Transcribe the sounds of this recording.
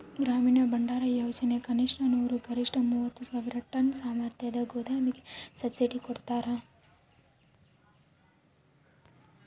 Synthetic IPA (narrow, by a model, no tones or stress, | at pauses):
ɡɾaːmiːnɐbɐɳɖaːɾɐjoːd͡ʒɐnekɐniʂɳɐnuːɾuɡɐɾiʂʈɐmuːʋɐt̪ːusaːʋiɾɐʈɐnsaːmɐɾt̪ʰjɐd̪ɐɡoːd̪ʱaːmiɡesɐt̪siʈikɔɽt̪aːɾɐ